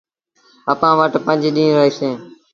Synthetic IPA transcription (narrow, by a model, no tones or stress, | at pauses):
əpãːʋəʈpə̃nd͡ʒiːɗĩːɾəɦiːsẽː